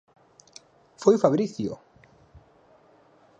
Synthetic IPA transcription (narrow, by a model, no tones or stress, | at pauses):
fojfaβɾiθjo̰